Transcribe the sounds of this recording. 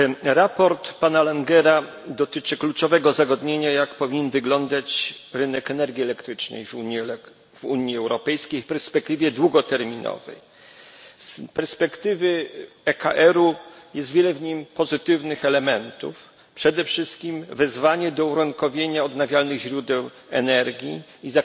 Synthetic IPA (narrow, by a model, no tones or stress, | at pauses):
ɾapɔɾt̪panalaŋɡɛɾa | d̪ɔt̪ɘt͡ʂɘklut͡ʂɔvɛɡɔzaɡɔd̪ɲeɲajakpɔvʲiɲɛnvɘɡlɔnd̪at͡ɕɾɘnɛkɛnɛɾɡʲiɛlɛkt̪ɾɘt͡ʂnɛ̰jvui | vuɲiɛwɾɔpɛjskʲejfpɛɾspɛkt̪ɘvʲjɛd̪wuɡɔt̪ɛɾmʲinɔ̰vɛ̰j | spɛɾspɛkt̪ɘvɘ | ɛka̰ʔɛɾujɛst̪vʲjɛlɛvɲimpɔzɘt̪ɘvnɘxɛlɛmɛnt̪ṵf | pʂɛd̪ɛfʂɘst̪̚kʲimvɛzvaɲɛd̪ɔuɾɔŋkɔvʲjeɲaɔd̪navʲjalnɘɣʑɾud̪ɛw | ɛ̰nɛɾɡʲjiːza